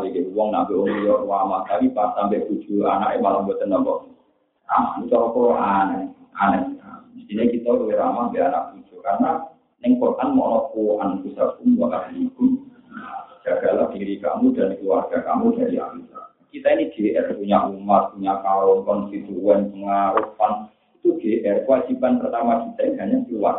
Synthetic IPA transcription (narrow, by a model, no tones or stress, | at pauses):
abeɡɛuwɔŋnambɛʔoŋlijɔrwamat̪apipasampɛku̥d͡ʒ̥ua̰na̰ʔɛmalambɔt̪ənambɔʔ | ra̰ma̰nit͡ʃɔlɔkuʔanɛanaaist̪iɲakit̪alolɛɾamambɛana̰ʔku̥d͡ʒ̥ukarna | nɛŋkɔt̪ʔanmɔ̰ʔlɔpuʔankusakumbakatliku | ad͡ʒ̥aɡ̥ala̰diɾika̰mudankluwarɡ̥aka̰mudadia̰kisa̰ | kit̪ainiɡ̥eʔɛrpuɲaʔumat̪̚puɲakalɔmpɔnsit̪uɛnpəŋaɾufan | it̪uɡ̥eʔɛrkəwad͡ʒibanpərt̪amakit̪ainbaɲaŋt̪ula̰